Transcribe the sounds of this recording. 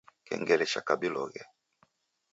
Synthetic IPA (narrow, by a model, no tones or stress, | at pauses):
kɛ̰ŋɡɛlɛʃakabilɔɣɛ